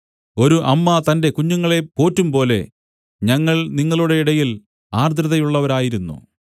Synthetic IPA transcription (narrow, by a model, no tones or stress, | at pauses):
o̞ɾuʔɐmːɐt̪ɐnde̞kuɲːuŋːɐɭe̞po̞ːtːumpo̞ːle̞̰ | ɲɐŋːɐɭniŋːɐɭuɽe̞iɽɐjil | aːrd̪ɾɐðɐjuɭːɐʋɐɾaːjiɾunːṵ